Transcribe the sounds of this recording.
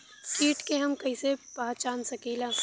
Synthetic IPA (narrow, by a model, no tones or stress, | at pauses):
skiːʈkeɦɐmkɐisepaːt͡ʃaːnsɐkiːlãː